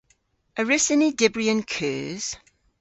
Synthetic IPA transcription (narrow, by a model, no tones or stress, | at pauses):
əɹɪsənidɪbɹiə̃nkʰɜ̰ːz̥